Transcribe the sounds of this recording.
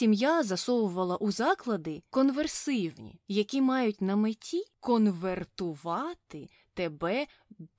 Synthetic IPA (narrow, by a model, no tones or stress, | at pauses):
imjazɐsɔwʊʋɐlˠɐʔuzɑklˠɐd̪ɪkɔnʋersɪwnʲḭjɐkʲimɑjʊtʲnɐmɪtʲʰikɔnʋert̪ʊʋɑt̪ɪ | t̪ebɛ